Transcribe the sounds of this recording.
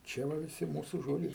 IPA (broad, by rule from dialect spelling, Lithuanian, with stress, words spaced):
ˈt͡ʃʲɛ ʋɐ ʋʲɪˈsʲɪ ˈmuːsʊ ˈʒoːd͡ʒʲɛɪ